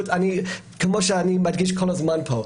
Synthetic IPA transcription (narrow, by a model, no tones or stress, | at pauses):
tani | kʰəmɔʃanimadɡɪʃkʰɔlɔzmanpʰo